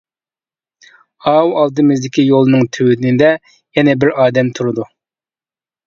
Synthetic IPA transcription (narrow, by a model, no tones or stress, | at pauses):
ɑwɑlˠd̪ɨmɪzd̪ɪkʲijolˠɨnɨŋt̪ʰywɪd̪ɪnɪd̪ɛ | jɛnɛbɪɾɑːd̪ɛmt̪ʰuɾɨd̪u